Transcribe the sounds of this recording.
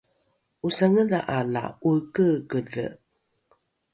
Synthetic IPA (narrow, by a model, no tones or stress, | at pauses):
usaŋəðaʔala̰ukəkəɮə̰